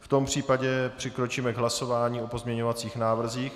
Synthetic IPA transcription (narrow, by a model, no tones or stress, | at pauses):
ft̪o̞mpr̝̥iːpaɟɛpr̝̥ɪkɾot͡ʃiːmɛɡɦlaso̞vaːɲiːo̞po̞zmɲɛɲo̞vat͡siːxnaːvr̩ziːx